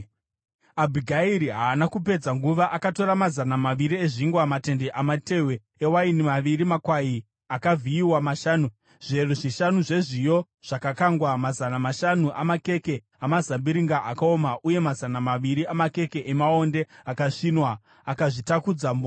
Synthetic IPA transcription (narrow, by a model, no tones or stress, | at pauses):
abʱiɡʱaiɾiɦaːnakupe̞d͡zaŋɡuʋaʔakato̞ɾamazanamaʋiɾie̞ʐiŋɡwamate̞ndeʔamate̞we | ewainimaʋiɾimakwai | akavʱiiwamaʃaːnu | ʐ̥eruʐiʃanuʐe̞ʐijo̞ | ʐ̥akakaŋɡwamazanamaʃanuʔamake̞ke̞ | amazambiɾiŋɡaʔakaomaʔuje̞mazanamaʋiɾiamake̞ke̞ʔemao̞nde̞akaʂinwaː | kaʐitakud͡zambo